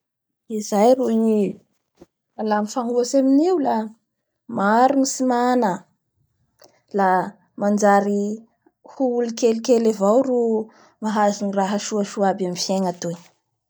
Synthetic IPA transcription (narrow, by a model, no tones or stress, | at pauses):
izajrui | alamifaŋuasaminewla | maɾunisimanə | la | mand͡ʒaɾi | huulikelikelevawɾu | maɦaziniraɦəʃuaʃuabamifjeŋat̪ui